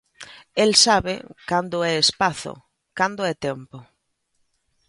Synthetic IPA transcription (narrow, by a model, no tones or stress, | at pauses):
elsaβḛkand̪ʊɛespaθo̰ | kand̪ʊɛt̪empo